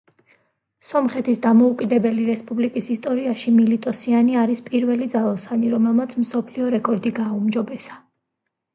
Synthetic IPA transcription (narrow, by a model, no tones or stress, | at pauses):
sɔmχɛt̪ʰisd̪amɔukʼid̪ɛbɛliɾɛspʼublikʼisist̪ʼɔɾiaʃimilit̪ʼɔsianiaɾispʼiɾvɛlid̪zalˠɔsaniɾɔmɛlˠmat̪sʰmsɔpʰliɔɾɛkʼɔɾd̪iɡaːumd͡ʒɔbɛsḁ